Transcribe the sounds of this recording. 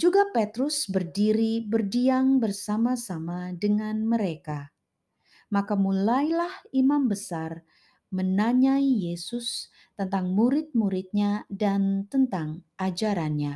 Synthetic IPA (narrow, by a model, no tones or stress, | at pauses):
d͡ʒuɡapet̪ɾʊsbərdiɾibərdiaŋbərsamasamadəŋanməɾeka | makamulajlahimambəsar | mənaɲaijesʊs | t̪ənt̪aŋmuɾɪt̪̚muɾɪt̪̚ɲadant̪ənt̪aŋʔad͡ʒaɾanɲa